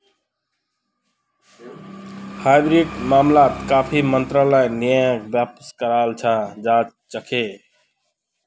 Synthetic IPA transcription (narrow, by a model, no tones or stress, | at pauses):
hajbɾiʈmamlat̪kapʰimənt̪ɾaləjnijəkbjapskəɾalt͡ʃʰãd͡ʒat͡ʃt͡ʃəkʰe